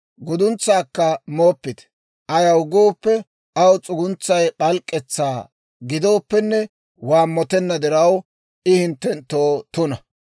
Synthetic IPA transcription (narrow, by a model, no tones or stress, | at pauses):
ɡʊd̪ʊnt͡sːaːkːɐmoːpːɪt̪ | ʔɐjɐwɡoːpːɛ | ɐwt͡sʼʊɡʊnt͡sːɐjɓɐlkʼːɛt͡sːaː | ɡɪd̪o̞ːpːɛnːɛ | waːmːɔt̪ɛnːɐd̪ɛɾɐw | ʔɪhɪnt̪ːɛnt̪ːoːt̪ʊnɐ